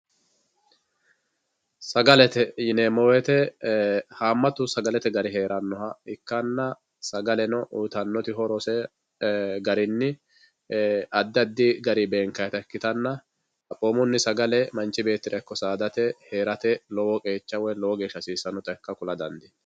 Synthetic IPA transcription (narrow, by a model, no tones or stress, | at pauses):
sɐɡɐlɛt̪ɛjɪnemɔwɛt̪ɛ | haːmːɐt̪ʊsɐɡɐlɛt̪ɛɡɐɾɪɦe̞ːɾɐnːɔhɐɪkːɐnːɐ | sɐɡɐlɛnɔʔuːt̪ɐnːɔt̪ɪɦɔɾɔsɛ | ɡɐɾɪnːɪ | ɐd̪ːɐd̪ːɪɡɐɾɪbeːŋkɐjɛt̪ɐkːɪt̪ɐnːɐ | ɐpʼoːmʊnːɪsɐɡɐlɛmɐnt͡ʃːɪbe̞ːt̪ːɪɾɛkːɔsaːd̪ɐt̪ɛhe̞ːɾɐt̪ɛlɔwɔkʼe̞ːt͡ʃːɐwɔjlɔwɔɡe̞ːʃːɐsiːsːɐnɔt̪ʼɐkːɐkʊlɐd̪ɐ̰nd̪ɪ